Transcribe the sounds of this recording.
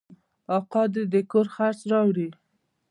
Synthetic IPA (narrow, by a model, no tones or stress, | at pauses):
ɑqɑd̪ed̪əkoɾxaɾt͡sɾɑwɽi